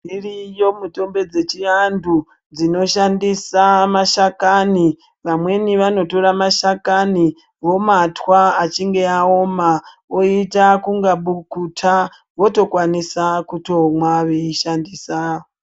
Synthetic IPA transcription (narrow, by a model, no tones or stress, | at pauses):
irijo̞muto̞mbe̞d͡ze̞t͡ʃiandu | d͡zino̞ʃandisamaʃakani | ʋamwe̞niʋano̞to̞ɾamaʃakani | ʋo̞matwaːt͡ʃiŋɡe̞ao̞ma | oitakuŋɡaɓukutʰa | ʋo̞to̞kwanisakuto̞mwaʋeiʃandiːsaːo